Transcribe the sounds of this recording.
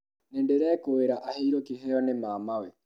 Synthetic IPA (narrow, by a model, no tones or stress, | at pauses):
nendeɾɛːkoeɾaʔaheiɾokiɦɛɔnemaːmawɛ